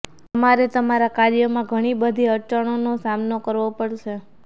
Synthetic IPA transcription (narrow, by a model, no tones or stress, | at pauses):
t̪əmaɾet̪əmaɾakaɾjəmãɡʱəɽ̃ibəd̪ʱiəɾt͡ʃaɽ̃onosamnokəɾʋopəɽʃʰe